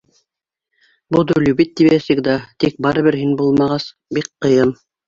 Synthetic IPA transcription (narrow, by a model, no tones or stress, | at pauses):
bud̪ɵlʲuβit̪̚ːiβæsɘkd̪ɑt̪ik̚bɑɾɤ̆βɘɾɦinbulˠmɑʁɑs | bikqːɤ̆jɤm